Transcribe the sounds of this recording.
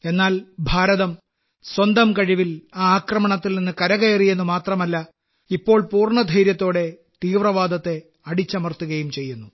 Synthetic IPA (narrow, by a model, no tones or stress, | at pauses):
e̞nːaːlbʱaːɾɐðɐm | swɐnd̪ɐmkɐɻiʋilaaːkrɐmɐɳɐt̪ːilninːɨkɐɾɐɣɐjɐrije̞nːumaːt̪rɐmɐlːɐ | ipːo̞ːɭpuːrɳɐd̪ʱɐjɾjɐt̪ːo̞ːɽe̞ | t̪iːʋrɐʋaːd̪ɐt̪ːe̞ | ɐɽit͡ɕːɐmɐrt̪uɣɐjumt͡ɕe̞jːunːu